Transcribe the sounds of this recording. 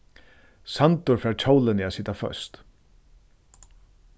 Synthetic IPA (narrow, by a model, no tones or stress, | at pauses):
sant̪ʊɾfɾaːɹt͡ʃʰowlɪnɪasɪːt̪afœ̰st̪